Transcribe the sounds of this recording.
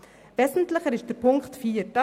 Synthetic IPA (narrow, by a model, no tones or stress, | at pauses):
vɛːzn̩tlɪχəɾɪʃd̥əɾpʰʊŋktfiːɾd̥ɑ